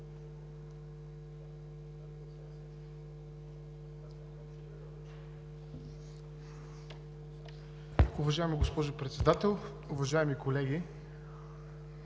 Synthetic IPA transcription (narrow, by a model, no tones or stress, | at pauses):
ʊvɐʒaɛmiɡospɔʒʊpɾɛt̪sɛd̪at̪ɛlˠ | ʊvɐʒaɛmikolɛɡʲi